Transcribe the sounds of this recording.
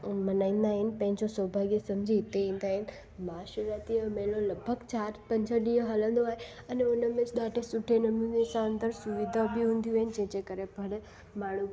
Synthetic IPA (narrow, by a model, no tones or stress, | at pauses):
mənaĩn̆d̪aɦɪnpə̃ɦɪ̃ɲd͡ʑosəːbʱaɡjesəmd͡ʑʱit̪eĩːnd̪aɦɪn | maːʃəɾat̪imeloləbʱəɡt͡ɕaːɾpə̃ɲd͡ʑəɗiə̃ɦələ̃nd̪oaːɦe | ɐneʊnəmẽt͡ʃɗ̪aʈesʊʈʰenəmjũnesãənd̪əɾsuʋid̪ʱabʱiɦũːnd̪jũɦəɪnd͡ʑẽd͡ʑekəɾebʱəɭe | maːɳ̤̃u